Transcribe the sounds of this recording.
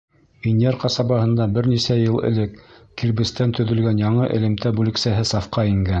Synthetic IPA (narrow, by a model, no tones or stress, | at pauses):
vinjeɾqɑsɑbɑhɤ̆nd̪ɑbɘɾnisæjɤlˠɘ̰̆lɘkːilbɘ̆st̪ænt̪ɵ̆ðɵ̆lɡænjɑɴɤʔɘ̆lɘ̆mt̪æbʉlɘ̆ksæɦɘsɑfqɑiŋɡæn